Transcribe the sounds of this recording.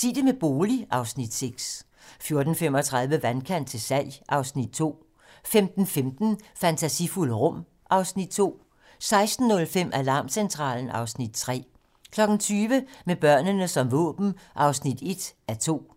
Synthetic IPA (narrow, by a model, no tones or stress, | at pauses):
sid̥əmeb̥o̝ːliʔɑ̈ʊsnid̥seɡ̥s | fjo̝ɐd̥n̩fem̰ɒt͡sʰʁɑ̈ð̞ˠʋəʋænkʰæn̰d̥̚t͡sʰe̝lsæl̰jʔɑ̈ʊsnid̥̚t͡sʰo̝̰ː | femd̥n̩femd̥n̩fænt͡sʰæsifuləʁɔ̽m̰ | ʔɑ̈ʊsnid̥̚t͡sʰo̝̰ː | sɑ̈ɪsd̥n̩ːɔ̽lfem̰ʔælɑ̈ːmsent͡sʰʁɑ̰̈ːln̩ɑ̈ʊsnid̥̚t͡sʰʁɛ̰ː | kʰlɒ̽ɡ̥n̩t͡sʰyːʋəmeb̥ɶɐ̰nənəsɒ̽mʋɔ̰̽ːb̥n̩ʔɑ̈ʊsnid̥e̝d̥æt͡sʰo̝̰ː